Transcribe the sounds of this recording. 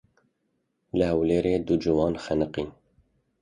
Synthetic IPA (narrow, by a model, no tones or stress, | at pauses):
lɨhɛwleːɾeːd̪ud͡ʒuwɑːnxɛnɨqiːn